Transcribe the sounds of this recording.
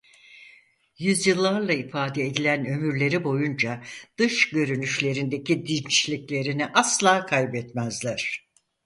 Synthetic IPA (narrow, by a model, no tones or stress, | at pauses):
jyzjɯlˠːaɾlˠaifaːd̪ɛed̪ilʲænø̞myɾlʲe̞ɾibo̞jund͡ʒad̪̥ɯʃɟø̞ɾynyʃlʲe̞ɾind̪e̞cid̪int͡ʃlʲiclʲe̞ɾiniʔaslˠaːkʰajbɛt̪mæzlʲæɾ̥